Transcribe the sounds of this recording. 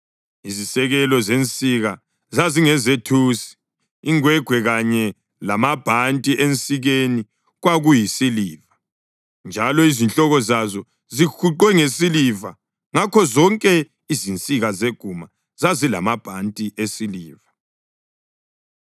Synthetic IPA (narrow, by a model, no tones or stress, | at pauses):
izisɛɣɛlɔzent͡sʼiɣa | zaziŋɛzetʰusi̥ː | ŋwɛɡ̥ʱwɛɣaɲɛ | lamab̥ʱantʼiʔent͡sʼiɣeni | ɣwaɣujisiliːva | nd͡ʒʱalɔizint͡ɬʼɔɣɔzazɔ | zikuǃwɛŋesiliva | ŋakʰɔzɔŋkʼɛ | izint͡sʼiɣazeɡ̥ʱuma | zazila̰mab̥ʱantʼiʔesiliːva